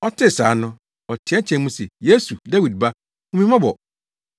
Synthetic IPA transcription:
ɔ˦tʰɪ˦˨sa̰ː˨˦nʊ̃˦ | ɔ˨tʰɪ˨˦ɛ˦t͡ɕʰɛ̃˨nmũ˦sɛ˨je˦su˨da˦wi˨d̚ba˦ | ʊ̃˦mĩ˦mã˦bɔ˨

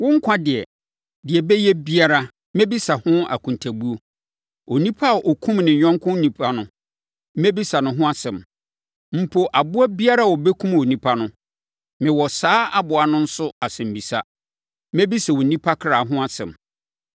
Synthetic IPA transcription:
wʊ̃˦ŋ̩˦kʰʷã˦dɪ˨ɛ˨ | dɪ˨ɛ˨bɛ˦jɛ˦bi˦a˦ɾa˦ | mɛ̃˦bi˦sa˨hʊ̃˦a̰˨kʰũ˨n˨tʰæ˨bu˦o˦ | o˨nĩ˦pʰa˦˨ʔɔ˨kʰũ˦mnɪ̃˨ɲ˨ɲᶣɔ̃˦ŋkʰʊ̃˦nĩ˨pʰa˦nʊ̃˦ | mɛ̃˦bi˦sa˨nʊ̃˨ɦʊ̃˦a˦sɛ̃˨m | m̩˨pʰo˨ʔa˨bʊ˦a˦bi˦a˦ɾa˦˨wɔ˨bɛ˦kʰũ˦mo˨nĩ˦pʰa˦nʊ̃˦ | mɪ̃˨wɔ˨saː˦a˦bʊ˨a˨nʊ̃˦n̩˦sʊ˦a˨sɛ̃˨m̩˨bi˨sa˦ | mɛ̃˦bi˦sɛ˨wo˨nĩ˦pʰa˦kʰɾa˨ɦʊ̃˦a˦sɛ̰̃˨m

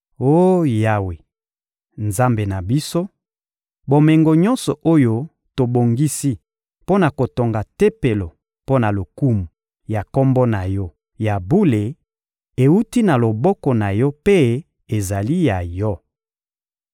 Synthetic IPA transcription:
o˦ja˦we˨ | nza˦mbe˨na˨bi˦so˦ | bo˨me˨ŋɡo˨ɲɔ̃˦nsɔ˨ʔo˦jo˦ | to˨bo˨ŋɡi˦si˦ | po˦na˨ko˨to˨ŋɡa˨te˦pe˨lo˨ | po˦na˨lo˨ku˦mu˨ | ja˨kɔ˦mbɔ˦na˨jɔ˦ | ja˨bu˦le˨ | e˨u˦ti˦na˨lo˨bɔ˦kɔ˨na˨jɔ˦pe˦ | e˨za˨li˦ja˨jɔ˦

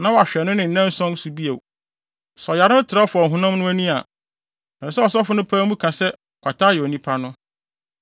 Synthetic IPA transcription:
nã˦wɔ˨a˨ɕᶣɛ˨nʊ̃˦nɪ̃˨n̩˨nɛ̃˦n˦sɔ̃˦n˦su˨bi˦e˨ | sɔ˨ja˨ɾɪ̃˦n˦tʰɪ˨ɾa˦fʊ˨ɔ˨ɦʊ̃˦nã˦mnʊ̃˦æ˦nũ˦a˨ | ɛ̃˨˦sɛ˦ɔ˨s̬ɔ˦fʊ˦nʊ̃˦pʰãː˦mũ˦kʰã˨sɛ˦ | kʷʰa˨tʰa˦jɛ˨o˨nĩ˦pʰa˦nʊ̃˦

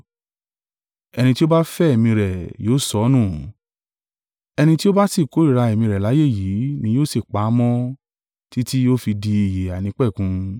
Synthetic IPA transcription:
ɛ˧ñĩ˧ti˦o˦ba˦fɛ˦ɛ˨mĩ˧ɾɛ˨joː˨˦˨sɔ˧˦nũ˦˨ | ɛ˧ñĩ˧ti˦o˦ba˦si˦˨ko˨˦i˦˨ɾa˧e˨mĩ˧ɾɛ˨la˨˦je˦˨ji˨˦nĩ˧˦joː˦˨se˨k͡pa˨˦mɔ̃˦ | ti˦ti˦o˦fi˧di˧i˨je˨a˨nĩ˨˦k͡pɛ˦˨kũ˧˦

